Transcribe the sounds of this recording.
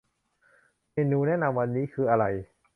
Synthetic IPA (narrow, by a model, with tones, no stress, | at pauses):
meː˧nuː˧nɛː˦˥˨na˧mwa˧nːiː˦˥kʰɯː˧ʔa˧ɾa˧j